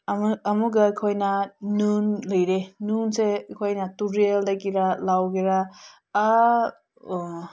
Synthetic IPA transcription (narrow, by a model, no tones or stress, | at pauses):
muɡakʰojnanunlɯjɾenunsekʰojnɐtuɾeldakiɾalawɡiɾaː